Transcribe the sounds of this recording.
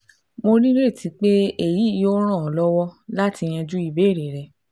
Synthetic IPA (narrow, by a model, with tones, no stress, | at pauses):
mo˧ɾĩ˦ɾe˦˨ti˨˧k͡pe˦e˦˨ji˨˦˨o˦ɾ̃ã˦˨ɔ˨lɔ˦wɔ˦la˦ti˧j̃ɛ̃˧d͡ʒu˦i˦˨be˨˦˨ɾe˨ɾɛ˨